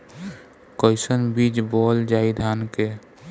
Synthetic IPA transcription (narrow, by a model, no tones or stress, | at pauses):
kəjsənbit͡ʃbɔld͡ʒaid̪ʱanke